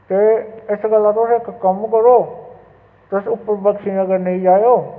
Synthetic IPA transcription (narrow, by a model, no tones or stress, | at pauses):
t̪eːɪsɡəlːãːt̪ʊsẽɪkkəmkəɾoː | t̪ʊsʊpːəɾbəkʃĩːnə̃ɡəɾneĩːd͡ʒaːjoː